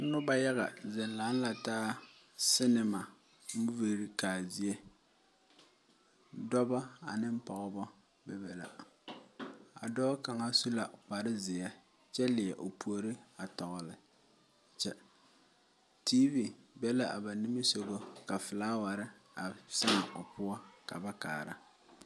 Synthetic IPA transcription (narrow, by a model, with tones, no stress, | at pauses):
nʊ˦ba˦ja˦ɣa˨zɛ˨n˨la˨˦n˦la˨taː˦ | sɪ˦nɪ˨ma˨˦ | u˦ve˨ɾi˦kaː˨zɪ˨e˦ | dɔ˦ba˦a̰˨nɪ˦m̩˦pɔ˨ɣɔ˦bɔ˦ | bɛ˨bɛ˨la̰˨ | a̰˨dɔː˦ka˨ŋa˦su˦la˨k͡pa˨ɾɪ˦zɪ˨a˦ | t͡ʃɛ˦lɪ˨ɛ˨ʔo˨pʰu˨˦o˦˨ɾɪ˦a˨tɔ˨ɣʊ˨lɪ˨ | t͡ʃɛ˦ | tiː˦vi˨bɛ˦la˦ʔa˨ba˨ni˦mi˦so˨ɡo˦ka˨fɪ˨laː˦wa˨ɾɪ˦a˨sɪ˦ŋa˨ʔʊ˨pʊ˦a˦ka̰˨ba˦ka̰ː˨ɾa̰˦